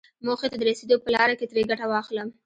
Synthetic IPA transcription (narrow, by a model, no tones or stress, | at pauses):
moxet̪ad̪əɾased̪opəlɑɾaket̪ɾeɡaʈawɑxləm